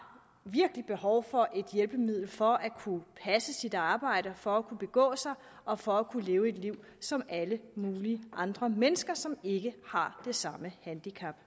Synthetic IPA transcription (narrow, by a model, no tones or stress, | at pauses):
ʋiɐɡ̥əlib̥e̝hɒʊfɒ̽ʔe̝d̥jelb̥əmið̞̰ˠl̩fɒ̽ʔækʰupʰæsəsid̥ɑ̈ːb̥ɑ̈ɪ̰ɾɐfɒ̽ækʰub̥e̝ɡ̥ɔ̰̽ːsɑ̈ɪ | ɒ̽fɒ̽ækʰuleːʊe̝d̥liʊ̰ | sɒ̽mæləmuːliəʔɑ̈nd̥ʁɐmenəsɡ̥ɐsɒ̽me̝ɡ̥əhɑ̈d̥e̝sɑ̈məhænd̥ikʰæb̥